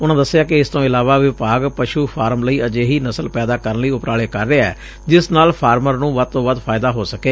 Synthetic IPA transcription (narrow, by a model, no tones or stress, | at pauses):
ʊnãːd̪əsːɪjaːkɪɪst̪õːɪlaːʋaːʋɪpaːɡpəʃuːpʰaːɾəmləiːʔəd͡ʒeːɦiːnəsəlpɛːd̪aːkəɾənləiːʊpɾaːɭeːkəɾːeːaɛ̰ː | d͡ʒɪsnaːlpʰaːɾməɾnũːʋəd̪̚t̪õːʋəd̪pʰaːɪd̪aːɦoːsəkeː